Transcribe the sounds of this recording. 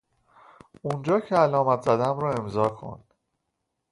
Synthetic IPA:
und͡ʒɒːcʰeælɒːmæt̪ʰzæd̪æmɾɒːe̞mzɒːkʰo̰n

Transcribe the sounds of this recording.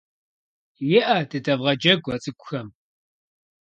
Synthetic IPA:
jɪʔɐdɨdɐvʁɐd͡ʒɐɡʷɐt͡sʼɨkʷʼʊxɐm

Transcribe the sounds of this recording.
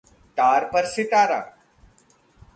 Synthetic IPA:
ʈ̪aːɾpɐɾsɪʈaːɾa̰ː

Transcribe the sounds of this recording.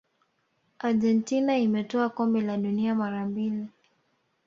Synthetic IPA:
aɾʄɛntinaimɛtɔakɔmbɛlaɗuniamaɾambili

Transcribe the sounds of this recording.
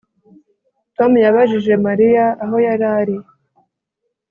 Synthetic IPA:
tomujaβaʒiʒe̞maɾijaːɦo̞jaɾaːɾi

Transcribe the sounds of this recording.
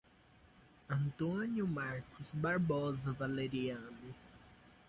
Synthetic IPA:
ɐ̃nt̪õnjʊmaɾkʊzbaɾbɔzɐvaleɾiɐ̃nʊ

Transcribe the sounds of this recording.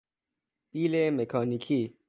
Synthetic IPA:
ilemekʰanikʰi

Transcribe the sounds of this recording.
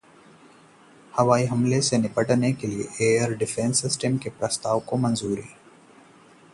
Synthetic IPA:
hɐʋaːiɦɐmlesenɪpəʈnekeliḛʔeːəɾɖɪfẽːnsːɪsʈəmkepɾɐst̪aːʋkomɐ̃nzuːɾiː

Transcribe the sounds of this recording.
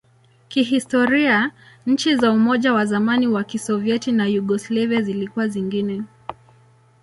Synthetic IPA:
kiɦistɔɾia | ɲ̩t͡ʃizaumɔʄawazamaniwakisɔviɛtinajuɠɔslaviazilikuwaziŋɡinɛ

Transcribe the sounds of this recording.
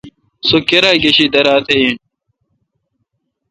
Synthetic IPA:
sokeɾaɡeɕid̪ɐɾaːt̪ʰejin

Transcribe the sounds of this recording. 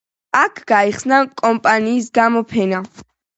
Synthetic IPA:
akʰɡ̥aiχsnakʼɔmpʼaniːs̬ɡamɔpʰɛna

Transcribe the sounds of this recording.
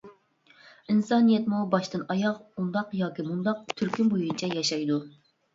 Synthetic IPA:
insɑnijɛt̪mubɑʃt̪ɨnɑjɑqund̪ɑqjɑːkʲimund̪ɑq̚t̪ʰyɾkʲynbojunt͡ʃʰɛjɑʃɑjd̪u

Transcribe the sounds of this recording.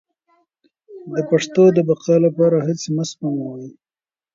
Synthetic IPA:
d̪əpaʂt̪od̪əbaqɑlapɑɾaɦɪt͡sməspamawaj

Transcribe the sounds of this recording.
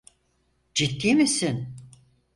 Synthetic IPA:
d͡ʒit̪ʰːimisin

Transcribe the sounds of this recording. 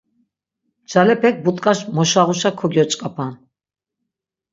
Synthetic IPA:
d͡ʒalɛpʰɛk̚ʰbut̪ʼkʼaʃmɔʃaʁuʃakʰɔɡjɔt͡ʃʼkʼapʰan

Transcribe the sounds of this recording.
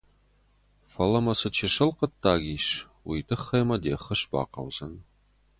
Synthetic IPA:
fɐlɐmɐsɨt͡ʃʰiʃɐlqətʰːaːɣʲiːʃ | wijdʰɨχːɐjmɐdeːχɐɕba̰ːqɐ̰wz̥ɐn

